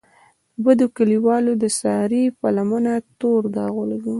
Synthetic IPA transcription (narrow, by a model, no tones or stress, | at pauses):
bad̪okaliwɑlod̪əsɑɾipalamənat̪oɾd̪ɑɣolaɡu